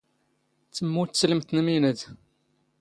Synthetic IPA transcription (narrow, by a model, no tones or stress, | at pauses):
t͡sːəmːut̪sələmt̪nminəd̪